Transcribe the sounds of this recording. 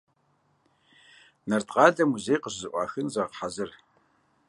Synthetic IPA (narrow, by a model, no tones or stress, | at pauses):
nɐrtʼqɑːɮɐmuzejqəʑzɨʔʷʼɑ̰ːxɨnzɐqħazɨr